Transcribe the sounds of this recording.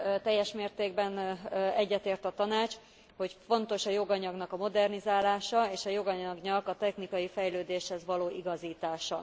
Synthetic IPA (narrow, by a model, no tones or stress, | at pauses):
t̪ɛjːɛʃmeːrt̪eːɡ̚bɛnɛɟːɛt̪eːrt̪ɒt̪ɒnaːt͡ʃ | ho̞cfo̞nt̪o̞ʃɒjo̞ɡɒɲɒɡnɒkɒmo̞d̪ɛrnizaːlaːʃɒeːʃɒjo̞ɡɒɲɒɡnɒkɒt̪ɛxnikɒjifɛjløːd̪eːʃhɛzʋɒloːʔiɡɒziːt̪aːʃɒ